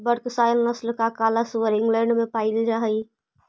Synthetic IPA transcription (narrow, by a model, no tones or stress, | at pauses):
bəɽksajlnəslkakalasuwəɾĩŋɡlɛ̃ɳɖmepaɪld͡ʒaɦəj